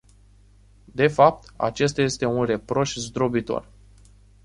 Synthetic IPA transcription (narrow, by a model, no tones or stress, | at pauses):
d̪e̞fap̚t̪a̰t͡ʃe̞s̬t̪aje̞st̪e̞unre̞pɾo̞ʃzd̪ɾo̞bit̪o̞̰r